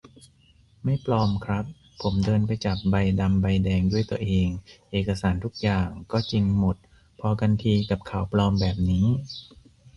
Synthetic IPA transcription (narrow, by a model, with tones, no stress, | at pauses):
ma˥˩jplɔː˧mkʰɾa˦˥pʰː | o˩˦mdɤː˧npa˧jt͡ɕa˨˩p̚ba˧jda˧mba˧jdɛː˧ŋdu˥˩əjt̪u˧ɐʔeː˧ŋʔeː˨˩ka˧saː˩˦nt̪ʰu˦˥k̚jaː˨˩ŋkɔː˥˩t͡ɕi˧ŋmo˨˩t̪̚ | pʰɔ˧kʰa˧nt̪ʰiː˧ka˨˩p̚kʰa˩˦wplɔː˧mbɛː˨˩p̚niː˦˥